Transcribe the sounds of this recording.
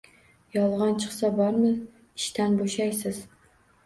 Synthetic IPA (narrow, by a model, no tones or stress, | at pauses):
jɑlˠʁɑnt͡ʃʰɨχsɑbɑɾmɪn | iʃt̪ʰænboʃɑjsɪz̥